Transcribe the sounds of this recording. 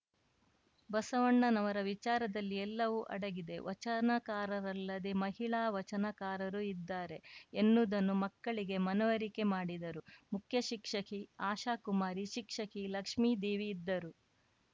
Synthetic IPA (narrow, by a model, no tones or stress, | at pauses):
bɐsɐʋɐɳːɐnɐʋɐɾɐʋit͡ʃaːɾɐd̪ɐlːiɛlːɐʋuʔɐ̰ɽɐɡid̪e̞ʋɐt͡ʃɐnɐkaːɾɐɾɐlːɐd̪emɐɦiɭaːʋɐt͡ʃɐnɐkaːɾɐɾuid̪ːaːɾe̞enːud̪ɐnːumɐkːɐɭiɡe̞mɐnɐʋɐɾike̞maːɽid̪ɐɾumukʰjɐʃikʂɐkiaːʃaːkumaːɾiʃikʂɐkilɐkʂmiːd̪iːʋiːd̪ːɐɾu